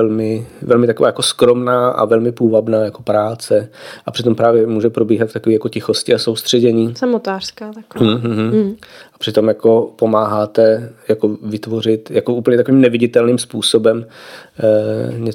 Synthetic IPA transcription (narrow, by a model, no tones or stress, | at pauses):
ɛlmɪvɛlmɪt̪akovaːjako̞skɾo̞mnaːʔa̰vɛlmɪpuːvadnaːjako̞pɾaːt͡sɛʔapr̝̥ɪt̪o̞mpɾaːvjɛmuːʒɛpɾobiːɦat̪ft̪akoviːjako̞cɪxo̞scɪaso̞wst̪r̝̥ɛɟɛɲiːsamot̪aːr̥skaːt̪akɦ̩ɦ̩ɦm̩ʔapr̝̥ɪt̪o̞mjako̞po̞maːɦaːt̪ɛjako̞vɪt̪vo̞r̝ɪt̪jakoʔuːpl̩ɲɛt̪akoviːmnɛvɪɟɪt̪ɛlniːmspuːsobɛm | ɲɛ